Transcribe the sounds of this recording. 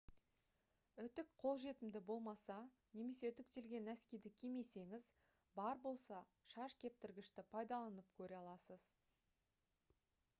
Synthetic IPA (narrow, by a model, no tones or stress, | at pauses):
ʏt̪ɪkqʰo̞lˠʒe̞t̪ɪmd̪ɪbo̞lˠmɑsɑ | ne̞me̞se̞t̪ɪk̚t̪e̞lɡʲe̞næskʲejd̪ɪkʲʰime̞se̞ŋɪz | bɑɾbo̞lˠsɑ | ʃɑʃkʲʰe̞p̚t̪ɪɾɡʲɪʃt̪ɪpʰɑjd̪ɑlˠɑnəpkʲʰɵɾeɑlˠɑsəz